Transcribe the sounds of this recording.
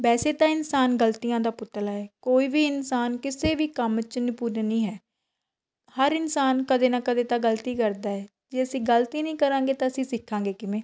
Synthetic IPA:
bɛːseːt̪ãːɪnsaːnɡəlt̪ijãːd̪aːpʊt̪laːɛːkoːiːʋiːɪnsaːnkɪseːʋiːkəmt͡ʃnɪpuːɾnĩːɦɛː | həɾɪnsaːnkəd̪eːnaːkəd̪eːt̪ãːɡəlt̪iːkəɾd̪aːɛː | d͡ʒeːəsĩːɡəlt̪iːnəĩːkəɾãːɡeːt̪ãːəsĩːsɪkʰːãːŋɡeːkɪʋẽː

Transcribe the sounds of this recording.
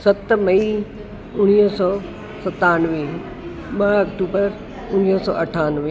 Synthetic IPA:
sɐt̪mɐi | ʊɽ̃iːsɔː | sɐt̪aːnʋi | mɐɐkʈuːbəɾ | ʊñiːsɔ̰ːʔɐʈʰaːnʋi

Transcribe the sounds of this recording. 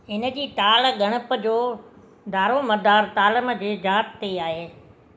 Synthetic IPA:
ɪnə̆d͡ʑiːt̪aːlɡɐɽ̃əpəd͡ʑoː | d̪ʱaːɾomɐd̪aːɾt̪aːlɪmd͡ʑeːd͡ʑaːt̪t̪eaːɦeː

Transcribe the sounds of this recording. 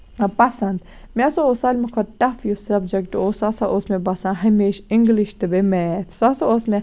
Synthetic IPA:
pɐsɐnd̪ | mʲasoosalʲmɐkʰɐɾʈɐfjusɐbd͡ʒɐkʈoːsasaʔosmẽbɐsãɦɐmeːʃiŋɡliʃt̪ɨbemet̪ʰsasoosme

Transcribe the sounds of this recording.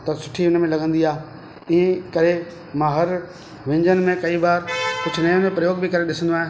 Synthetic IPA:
t̪ɐsʊ̥ʈʰiʊnmẽlɐɡə̃nd̪iaːe | iːẽkɐɾe | mãːɦɐɾ | ʋɪ̃ɲd͡ʑənɪ̆mẽkɐibaːɾkʊd͡ʑʱʊnɐjõnẽpɾɐjoːɡbʱɪkɐɾeɗɪsə̃nd̪oaːɦẽ

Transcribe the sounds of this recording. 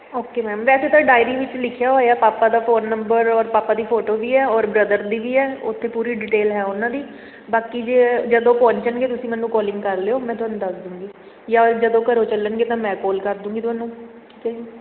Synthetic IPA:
oːkeːmɛːmʋɛːseːt̪ãːɖaːɪɾiːʋɪt͡ʃlɪkʰjaːɦoːeaːpaːpaːd̪aːpʰoːnːəmbəɾɔːɾpaːpaːd̪iːpʰoːʈoːʋiːɛːɔːɾbɾəd̪əɾd̪iːʋiːɛːʊ̰t̪ʰːeːpuːɾiːɖɪʈeːlɦɛːʊnãːd̪iː | baːkid͡ʒeːd͡ʒəd̪õːpɔ̃ːɲt͡ʃəɳɡeːt̪ʊsĩːmɛ̃ːnːũːkɔːlɪ̃ŋɡkəɾleːoːmɛ̃ːt̪ʊaːnːũːd̪əsd̪ũːŋɡiː | jaːd͡ʒəd̪õːkəɾoːt͡ʃələnɡeːt̪ãːmɛ̃ːkɔːlkəɾd̪ũːŋɡiːt̪ʊaːnːũːki̥ːkɛ̃

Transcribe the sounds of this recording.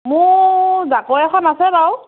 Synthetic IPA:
mʊzakoɛkʰɔnasɛɹaw

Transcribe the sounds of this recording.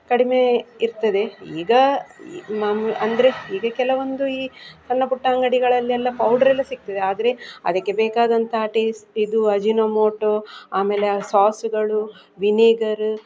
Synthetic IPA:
kɐɽime̞iɾt̪ɐd̪e̞iːɡɐ | mamɐnd̪ɐɾeiːɡɐkɛlɐʋond̪uiːt͡ʃɐnːɐpuʈːaːŋɡɐɽiɡɐɭɐlːiɛlːɐpɐwɖɐɾɐlːɐsik̚t̪ɐd̪eaːd̪ɐɾe̞ɐ̰d̪ɐkːe̞beːkaːd̪ɐnt̪ɐɐʈisid̪uɐd͡ʒinoːmoːʈoːaːme̞ːlesaːsuɡɐɭu | ʋiniːɡɐɾu

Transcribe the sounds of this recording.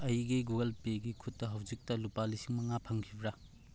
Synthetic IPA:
ɐjɡiɡuɡɐlpeɡikʰutːɐɦɐwd͡ʒik̚tɐlupalisiŋmɐŋapʰɐŋkʰibɾa

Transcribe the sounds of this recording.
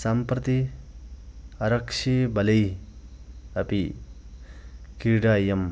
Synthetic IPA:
sampɾɐt̪i | ɐɾɐkʂʰibɐlɐj | ɐpi | kiɾɖaːjem

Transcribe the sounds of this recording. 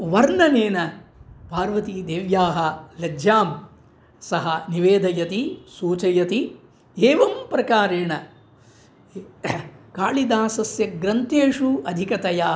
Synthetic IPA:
ʋɐɾɳɐneːnɐpaːɾʋɐt̪id̪eːʋjaːɦɐlɐd͡ʒjaːm | sɐɦɐniʋeːd̪ʱɐjɐt̪isuːt͡ʃɐjɐt̪i | eːʋɐmpɾɐkaːɾeːɳɐ | kaːɭid̪aːsɐsjɐɡɾɐnt̪eːʂuɐd̪ʱikɐt̪ɐjaː

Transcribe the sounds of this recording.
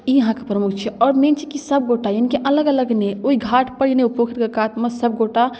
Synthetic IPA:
iɦãkepɾəmukʰt͡ʃʰɛɔːɾmẽnt͡ʃʰikisəb̚ɡoʈajənikeʔɐləɡələɡneoiɡʱaʈʰpəɽineupokʰit̪kekat̪məsəb̚ɡoʈa

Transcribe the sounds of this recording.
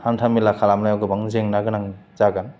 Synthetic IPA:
hantʰamilakʰalamnajaɡɯbaŋzeŋnaɡɯnaŋizaɡan

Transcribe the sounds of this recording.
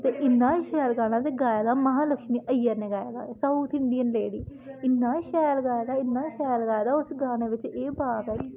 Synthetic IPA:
t̪eːʔɪnːãːʃɛːlɡaːɽ̃ãːd̪eːɡaːjaːd̪aːməɦãːləkʃmiːʔəɪjaːneːɡaːjaːd̪a̰ːsəut̪ʰɪɳɖiənleːɽḭː | ɪnːaːʃɛːlɡaːjːd̪aːɪnːãːʃɛːjlɡaːjːd̪aːʊsɡaːñeːʋɪt͡ʃeːbaːʋɛːk

